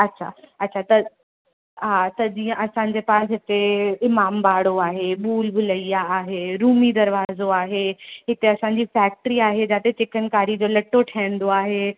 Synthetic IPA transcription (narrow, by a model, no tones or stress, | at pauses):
ɐtːɕʰa̰ɐːɕʰat̪ɐ | ɦat̪ɐd͡ʑiːə̃ʔɐsãɲ̆d͡ʑeːpaːsɦɪt̪eɪmaːmbaːɽoaːɦeɓuːlbʱʊləijaːɦeɾuːmid̪ɐɾʋaːzoaːɦeɦɪt̪eɐsãɲ̆d͡ʑiːfɛːk̚ʈəɾiaːɦed͡ʑaːt̪et͡ɕɪkənkaːɾid͡ʑoːlɐʈːoʈʰaːɪə̃n̆d̪oaːɦe